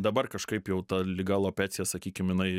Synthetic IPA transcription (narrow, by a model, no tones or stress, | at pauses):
d̪ɐbɐrkɐʃkɐɪpjɛʊt̪ɐlʲɪɡɑːlˠoːpʲæːt͡s̪ʲɪjɛsɐkʲiːkʲɪmjɪnɐɪ